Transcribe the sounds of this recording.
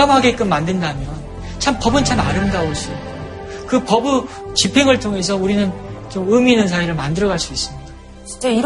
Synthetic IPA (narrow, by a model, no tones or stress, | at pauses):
amɦaɡe̞k͈ɯnmːandɯndamjʌn | t͡ɕʰampʌbɯnt͡ɕʰamaɾɯmdaoɕ͈i | kɯpʌbu | t͡ɕipʰeŋɯɭtʰoŋe̞sʰʌuɾinɯnt͡ɕomɯminɯnsʰaiɾɯɭmandɯɾʌɣaɭs͈uis͈ɯmɲida | t͡ɕit͡ɕ͈ei